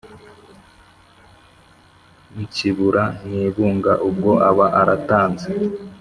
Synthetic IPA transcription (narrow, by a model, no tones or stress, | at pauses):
muciβuɾaniːβuːŋɡaʔub̚ɡoʔaβaʔaɾataːnze